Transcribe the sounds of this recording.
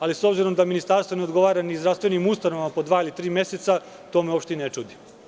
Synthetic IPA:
aliso̞bziɾo̞md̪aminist̪aɾst̪ʋo̞neod̪ɡo̞ʋaːɾanizd̪ɾafst̪ʋe̞nimust̪ano̞ʋamapo̞d̪ʋaːilit̪ɾiːmje̞set̪sa | t̪o̞ːmeo̞pʃt̪einet͡ʃuːd̪i

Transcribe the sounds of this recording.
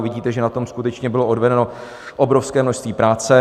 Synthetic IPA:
vɪɟiːt̪ɛʒɛnat̪o̞mskut̪ɛt͡ʃɲɛbɪloʔodvɛdɛno̞ | ʔobɾo̞fskɛːmnoʃst̪viːpɾaːt͡sɛ

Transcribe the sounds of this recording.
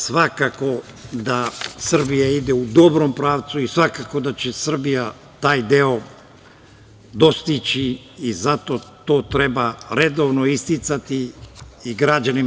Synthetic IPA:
sʋakako̞ | d̪asr̩bijaid̪e̞ud̪o̞bɾo̞mpɾaːʋt̪suisʋakako̞d̪at͡ɕe̞sr̩bija | t̪aːjd̪eo̞ | d̪o̞st̪it͡ɕiː | zat̪o̞t̪o̞ːt̪ɾe̞baɾe̞d̪o̞ʋnoist̪it̪sat̪iiɡɾad͡ʑani

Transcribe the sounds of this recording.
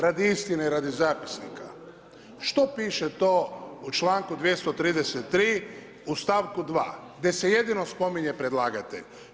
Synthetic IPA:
ɾad̪iist̪ineiɾad̪izaːpi̥snḭka | ʃt̪o̞piːʃet̪oːut͡ʃlaːŋkud̪ʋje̞st̪o̞t̪ɾiːd̪eset̪ːɾiː | ust̪aʋkud̪ʋa̰ːɡd̪je̞se̞je̞d̪ino̞spo̞miɲe̞pɾed̪lˠaːɡat̪e̞̰ʎ

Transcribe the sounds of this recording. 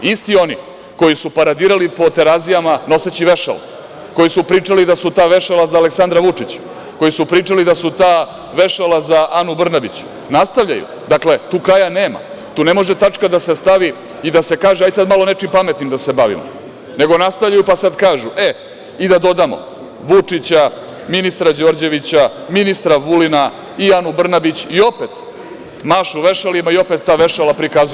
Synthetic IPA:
ist̪io̞ni | ko̞jisupaɾad̪iːɾalipo̞t̪eɾazijamano̞set͡ɕiʋeʃa̰la̰ | ko̞jisupɾiːt͡ʂalid̪asut̪aːʋe̞ʃelazaːleksand̪ɾaʋut͡ʂit͡ɕ | ko̞jisupɾiːt͡ʂalid̪asut̪aː | ʋe̞ʃalazaʔanubr̩nabit͡ɕ | nast̪aʋʎa̰jṵ | d̪akle̞t̪uːkɾajane̞ːma̰ | t̪uːne̞mo̞ʒet̪at͡ʃkad̪asest̪aʋi | id̪ase̞kaːʒeajsad̪malo̞ne̞t͡ʂimpame̞t̪nimd̪ase̞baʋḭmo̰ | ne̞ɡo̞nast̪aʋlʎajupasad̪kaːʒuʔe | id̪ad̪o̞d̪amo̰ | ʋut͡ʂit͡ɕa | minist̪ɾad͡ʑo̞ɾd͡ʑe̞ʋit͡ɕaminist̪ɾaʋulina | ianubr̩nabit͡ɕio̞pet̪ | maʃuʋe̞ʃalimaio̞pet̪ːaːʋe̞ʃalapɾikazu

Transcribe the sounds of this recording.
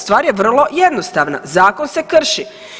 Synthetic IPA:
st̪ʋaːɾjeʋr̩lo̞jed̪nost̪aːʋna̰zaːko̞nse̞kr̩ʃi

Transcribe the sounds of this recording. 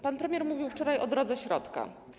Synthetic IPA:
panpɾɛmʲjɛɾmuvʲiwft͡ʂɔɾajʔɔ̰d̪ɾɔd̪zɛɕɾɔt̪ka̰

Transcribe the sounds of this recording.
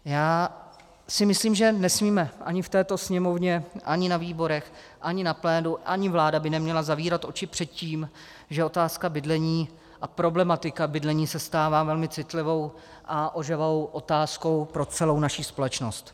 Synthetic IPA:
jaː | sɪmɪsliːmʒɛnɛsmiːmɛʔa̰ɲɪft̪ɛːt̪o̞sɲɛmo̞vɲɛʔaɲɪnaviːbo̞ɾɛx | ʔaɲɪnaplɛːduʔaɲɪvlaːdabɪnɛmɲɛlazaviːɾat̪ʔo̞t͡ʃɪpr̥ɛt̪̚ciːm | ʒɛo̞t̪aːskabɪdlɛɲiː | ʔapɾo̞blɛmat̪ɪkabɪdlɛɲiːsɛst̪aːvaːvɛlmɪt͡sɪt̪lɪvo̞w | ʔaʔo̞ʒɛvowʔo̞t̪aːsko̞wpɾo̞t͡sɛlo̞wnaʃiːspo̞lɛt͡ʃno̞st̪

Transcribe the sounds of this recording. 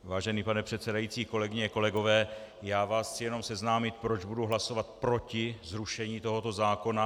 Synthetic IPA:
vaːʒɛniːpanɛpr̝̥ɛt̪t͡sɛdajitt͡siːko̞lɛɡɪɲɛko̞lɛɡo̞vɛːjaːvaːst̪sɪjɛno̞msɛznaːmɪt̪̚pɾo̞d͡ʒbuduɦlaso̞vat̪̚pɾo̞cɪzɾuʃɛɲiːt̪o̞ɦo̞t̪o̞zaːko̞na

